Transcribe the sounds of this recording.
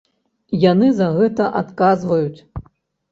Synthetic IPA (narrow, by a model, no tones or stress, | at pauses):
janɨzɐɣɛt̪ɐʔat̪kazvɐjut͡sʲ